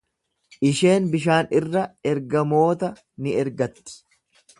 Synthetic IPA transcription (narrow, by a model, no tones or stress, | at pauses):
ʔɪʃe̞ːnbɪʃ̬aːnɪrːɐɛɾɡɐmo̞ːt̪ɐ | nɪɛɾɡɐt̪ːɪ̥